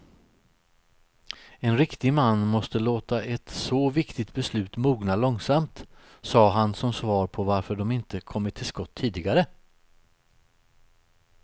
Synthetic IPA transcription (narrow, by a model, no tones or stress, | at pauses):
ɛnɾɪkt̪ɪɡmanːmɔst̪əloːt̪aʔɛt̪sɔvɪkt̪ɪt̪̚bɛslʉ̟ːt̪muːɡnalɔŋsamt̪ | sɑːɦansɔmsvɑːɾpʰɔvaɾfœɖɔmɪnt̪əkʰɔmːəʈ̪ʰːɪlskɔt̪ʰːiːd̪ɪɡaɾə